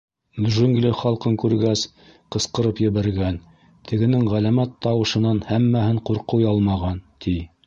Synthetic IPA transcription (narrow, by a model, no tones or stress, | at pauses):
d̪ʒɵŋɡlɘχɑlˠqɤŋkʉɾɡæs | qɤ̆sqɤ̆ɾɤpjɘ̆βæɾɡæn | t̪ʰɘ̆ɡɘ̆nɘŋʁælæmæt̪ːɑwɤ̆ʃɤ̆nɑnhæmːæhɘɴquɾqujɑlˠmɑʁɑnt̪ʰi